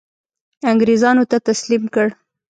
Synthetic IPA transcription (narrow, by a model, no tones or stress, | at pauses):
aŋɡɾezɑnot̪at̪aslimkəɽ